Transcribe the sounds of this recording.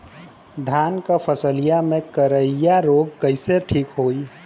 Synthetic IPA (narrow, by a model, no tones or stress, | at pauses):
d̪ʱankapʰəsəlijamẽkəɾəijaɾoːɡ̚kəɪseʈʰiːkɦoːi